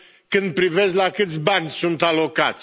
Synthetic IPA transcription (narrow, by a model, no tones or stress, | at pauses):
kɨnd̪̚pɾive̞sʲlakɨt̪sʲbanʲsunt̪alo̞kat̪sʲ